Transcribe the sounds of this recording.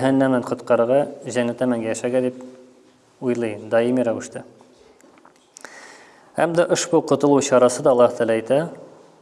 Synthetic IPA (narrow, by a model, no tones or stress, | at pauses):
ɦænːæmnænqŏt̪qɑɾɤ̆ʁɑʑæŋlæt̪æmæŋɡæjæʃæɡæd̪ip | ujlˠɤjd̪ɑjimiɾæwɘ̆ʃt̪ɘ | æ̰md̪æʔoʃbuqŏt̪ŏlˠuɕɑɾɑsɤd̪ɒːlˠːɑht̪ælæjt̪æ